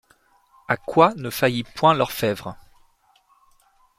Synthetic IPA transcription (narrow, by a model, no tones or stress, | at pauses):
akwanəfajipwɛ̃lœʁfɛvʁ